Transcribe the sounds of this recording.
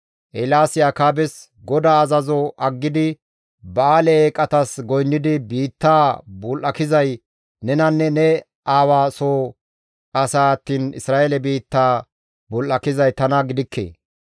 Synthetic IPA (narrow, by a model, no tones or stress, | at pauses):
ʔɛlaːsɪjaːkaːbɛs | ɡɔd̪aːɐzɐzɔʔɐɡːɪd̪ɪ | bɐaːlɛeːkʼːɐt̪ɐsɡɔjnːɪd̪ɪbiːt̪ːaːbʊlʔɐkɪzɐj | nɛnɐnːɛnɛ | ʔaːwaːsoː | ɐsaːɐt̪ːiːnɪ̰sɾaːʔelɛbiːt̪ːaː | bʊlʔɐkɪzɐjt̪ɐnɐɡɪd̪ɪkʰːḛː